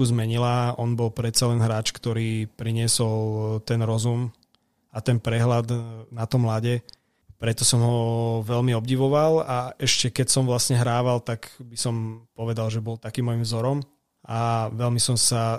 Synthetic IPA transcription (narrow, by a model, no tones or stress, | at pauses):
uzmɛɲilaʔɔnbɔlpɾɛt̪t͡salɛnɦɾaːt͡ʃkt̪ɔɾiːpɾiɲɪɛsɔlt̪ɛnɾɔzum | at̪ɛnpɾɛɦlad̪nat̪ɔmlaɟɛ | pɾɛt̪ɔsɔmɦɔʋɛlmiɔbɟiʋɔʋalaʔɛʃcɛkɛcsɔmʋlasɲɛɦɾaːʋalt̪aɡbisɔmpɔʋɛd̪alʒɛbɔlt̪akiːmːɔjimvzɔɾɔm | ʔaʋɛlmisɔmsa